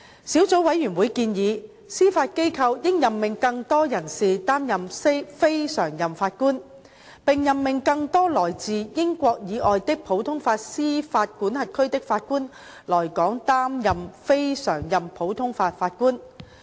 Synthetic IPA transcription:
siː˨˥wt͡so˨˥wɐ˨˥jyː˨˩nwuː˨˧˥jkiː˧njiː˨˧ | siː˥faː˧t̚ke˥jkʰɐ˧wjɪ˥ŋjɐ˨mːɪ˨ŋkɐ˧ŋt̪ɔː˥jɐ˨˩nsiː˨t̪aː˥mjɐ˨mse˥fe˥jsœː˨˩ŋjɐ˨mfaː˧t̚kuː˥n | pɪ˨ŋjɐ˨mːɪ˨ŋkɐ˧ŋt̪ɔː˥lɔː˨˩jt͡siː˨jɪ˥ŋkʷɔː˧k̚jiː˨˧ʔɔː˨jt̪ɪ˥k̚pʰo˨˥wt̪ʰʊ˥ŋfaː˧t̚siː˥faː˧t̚kuː˨˥nhɐ˨t̚kʰɵ˥ɥt̪ɪ˥k̚faː˧t̚kuː˥n | lɔː˨˩jkɔː˨˥ŋt̪aː˥mjɐ˨mfe˥jsœ̰ː˨˩ŋjɐ˨˩mpʰo˨˥wt̪ʰʊ˥ŋfaː˧t̚faː˧t̚kuː˥n

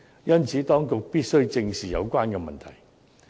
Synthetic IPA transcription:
jɐ˥nt͡sʰiː˨˥t̪ɔː˥ŋkʊ˨k̚piː˥t̚sɵ˥ɥt͡sɪ˧ŋsiː˨jɐ̰˨˧wkʷaː˥nkɛː˧mɐ̰˨nt̪ʰɐ˨˩j

